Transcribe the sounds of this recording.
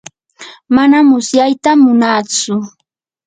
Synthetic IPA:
manamʊsjajt̪amːʊnat͡sʊ

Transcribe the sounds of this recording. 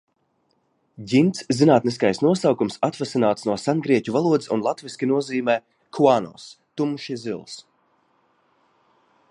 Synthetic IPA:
ɟint̪szinaːt̪nis̬kajsnuɔsawkumsat̪vɛsinaːt̪snuɔsanɡɾiɛcʲuvalˠuɔd̪isunlˠat̪viskʲinuɔziːmɛː | kʰuaːnɔ̰st̪umuʃizilˠs

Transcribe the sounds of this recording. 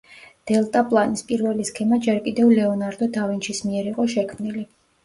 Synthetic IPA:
d̪̥ɛlˠt̪ʼapʼlˠanispʼiɾvɛliskʰɛmad͡ʒɛɾkʼid̪ɛvlɛɔnaɾd̪ɔd̪avint͡ʃʰismiɛɾiqʼɔʃɛkʰmnili

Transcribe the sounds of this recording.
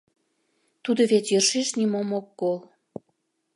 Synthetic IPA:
t̪ud̪ŏβetjəʃeʃnimomokːol

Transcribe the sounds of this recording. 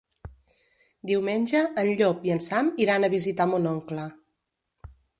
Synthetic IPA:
d̪iwmenʲʒəʔːnʎɔpiənsamiɾanəβizit̪amunɔŋklə

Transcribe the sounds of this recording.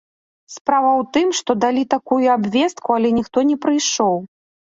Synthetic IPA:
spɾavɐwt̪ɨmʂt̪ɔd̪alʲit̪akujuabvʲɛst̪̚kualʲɛnʲixt̪ɔnʲɛpɾɨjʂɔw

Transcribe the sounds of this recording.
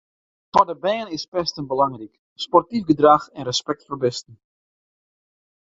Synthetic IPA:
tɔdəbɛːənɪspɛstənbəlɑŋrik | spɔrtifɡədraxɛnrəspɛk̚tfɔrbɪstən̩

